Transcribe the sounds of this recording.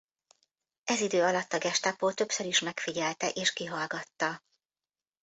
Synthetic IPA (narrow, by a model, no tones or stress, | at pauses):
ʔɛzid̪øːɒlɒt̪ːɒɡɛʃt̪apoːt̪ø̞psøɾiʃmɛkfiɟɛlt̪ɛʔeːʃkiɦɒlɡɒt̪ːɒ